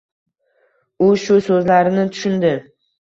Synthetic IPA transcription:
ʊʃʊsɵzlaɾɪnɪt̪ʰʊ̥ʃʊnd̪ɪ

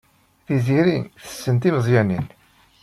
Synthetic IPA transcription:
ðiziɾiθə̥sːənt̪iməzˤjænin

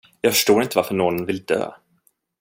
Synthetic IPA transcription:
jɑːɡfœʂʈoːɾɪnt̪əvaɾfəɳɔnnvɪld̪ø̰ː

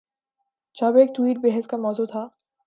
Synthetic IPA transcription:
d͡ʒaːbeːk̚ʈwiːʈ̚bɛɦəskamɔːzut̪ʰaː

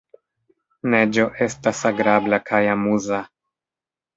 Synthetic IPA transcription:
ne̞d͡ʒo̞ʔe̞stasaɡɾablakʰajamuza

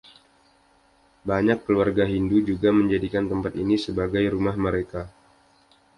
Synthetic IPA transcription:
baɲakːəluarɡaɦindud͡ʒuɡaməɲd͡ʒadikant̪əmpat̪inisəbaɡajɾumahməɾeka

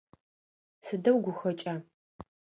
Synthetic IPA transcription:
sɨdɐwɡʷʊxɐt͡ʃʼaː

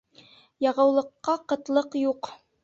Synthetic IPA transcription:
jɑʁɤ̆wlˠɤ̆qːɑqɤ̆t̪lˠɤqjuq

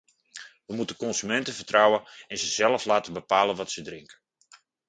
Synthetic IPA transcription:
ʋəmutəkɔnsymɛntəfərtrawəɛnzəzɛlˠəflaːtəbəpaːlənʋɔtsədrɪŋkə̥

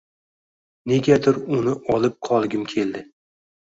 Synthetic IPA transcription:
ne̞ɡʲad̪ɪɾʊnɪʔɒlˠɪp̚qʰɒlˠɡʲɪmkʲʰe̞ld̪ɪ

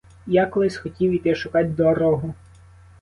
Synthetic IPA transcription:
jakɔlˠɪsʲxɔtʲiwit̪ɛʃʊkɑtʲd̪ɔɾɔɦʊ

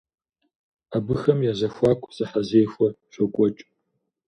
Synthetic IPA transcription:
abɨxɐmjaːzɐxʷaːkʷʰʼsʼɨħazeːjxʷɔrɕʷɔkʷʼɔt͡ʃʼ

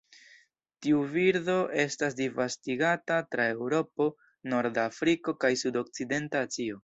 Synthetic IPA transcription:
tiuviɾdo̞ʔe̞stas̬divastiɡatatɾae̞wɾo̞po̞ | no̞ɾdafɾiko̞kajsudo̞k̚t͡side̞ntaːt͡sio̞

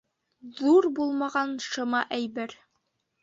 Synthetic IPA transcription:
ðuɾbulˠmɑʁɑnʃŏmɑʔæjbɘɾ

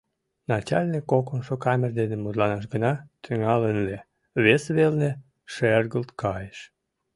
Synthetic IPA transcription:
nɑt͡ɕɑlʲnikːokonʃokɑmʲerd̪enemud̪lɑnɑʃ̬ɡənɑt̪ʰyŋɑlənle | βesβelne | ʃerɣəlt̪kɑjeʃ

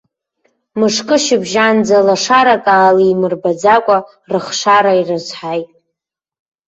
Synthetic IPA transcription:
mɨʂkʼɨʃɪbʒand͡zalaʂaɾakʼaːliːmɨrbad͡zakʷʼa | rɨχʂaɾairɨzħajtʼ

